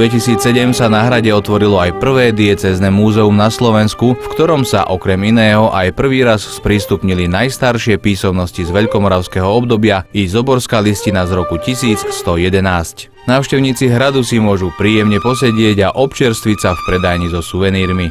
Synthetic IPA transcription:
ʋɛcisiːt͡ssɛɟɛmsanaɦɾaɟɛɔt̪ʋɔɾilɔajpr̩ʋɛːd̪iɛt͡sɛːznɛmuːzɛumnaslɔʋɛnskufkt̪ɔɾɔmsa̰ʔɔkɾɛminɛːɦɔʔajpr̩ʋiːɾasspɾiːst̪upɲilinajst̪aɾʃɪɛpiːsɔmnɔscizʋɛʎkɔmɔɾaʊskɛɦɔɔbd̪ɔbɪaizɔbɔɾskaːliscinazɾɔkucisiːt͡sst̪ɔjɛd̪ɛnaːsc | naːʊʃcɛʊɲiːt͡siɦɾad̪usimʊɔʒupɾiːjɛmɲɛpɔsɛɟɪɛɟaʔɔpt͡ʃɪɛɾst̪ʋit͡safpɾɛd̪ajɲizɔsuʋɛniːɾmi

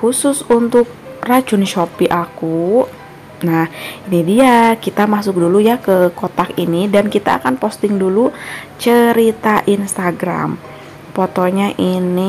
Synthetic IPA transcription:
xusʊsunt̪ʊk̚rat͡ʃʊnʃopiʔaku | nahinidiakit̪amas̬ʊk̚dulujakəkot̪akinidankit̪a̰ːkanpost̪ɪŋdulut͡ʃəɾit̪aʔinst̪aɡɾa̰m | pot̪oɲaʔini

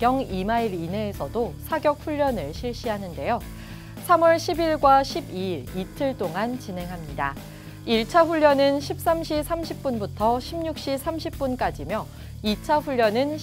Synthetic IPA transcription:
jʌŋimaiɾine̞ːsʰʌdosʰaɡjʌk̚ɸuʎːjʌnɯɭɕʰiɭɕ͈iɦanɯnde̞jo | sʰamʌɭɕʰibiɭɡwaɕʰibiiɾitʰɯɭt͈oŋant͡ɕine̞ŋɦamɲida̰ | iɭt͡ɕʰaɸuʎːʌnɯnɕʰip̚s͈amɕʰisʰamɕʰip̚p͈unbutʰʌɕʰimɲuk̚ɕ͈isʰamɕʰip̚p͈unk͈ad͡ʑimjʌ | it͡ɕʰaɸuʎːʌnɯn

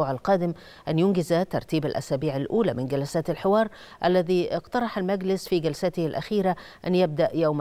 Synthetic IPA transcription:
uːʕalqɑːd̪ɪm | ʔanjʊnɡɪzat̪ɑ̰ɾˤt̪iːbalʔa̰saːbiːʕalʔuːlaːmɪnɡalasaːt̪alħɪwɑːɾˤ | ʔalːæðiːʔɪqt̪ɑɾˤɑħalmaɡlɪsfiːɡalsat̪ɪhalʔaxiːɾa | ʔanjab̚d̪aʔjawm

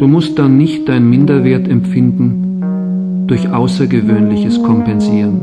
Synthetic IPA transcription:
d̥uːmʊst̚d̥anːɪçtd̥aɪnnmɪndɐveːɐtɛmfɪndn̩ | d̥ʊɐçʔaʊsɐɡəvøːnlɪçəskʰɔmpɛnziːʁən

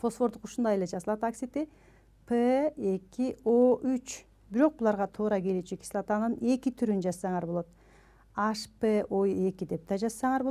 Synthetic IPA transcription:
fo̞sfo̞ɾd̪uquʃund̪ɑjeled͡ʒɑzɯlˠɑt̪aksʲit̪i | pʰee̞kio̞yt͡ʃ | biɾo̞q̚bulˠɑɾʁɑt̪ʰuːɾɑɡe̞let͡ʃekʲi̥slˠɑt̪ɑnɯne̞kit̪ʰyɾynd͡ʒɑzsɑɴɑɾbo̞lˠo̞t̪ | aʃpeʔoje̞kid̪e̞p̚d̪ɑd͡ʒɑzsɑɴɑɾbo

